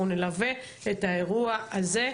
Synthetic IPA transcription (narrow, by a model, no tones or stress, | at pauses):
unelave | etaeʁuaaze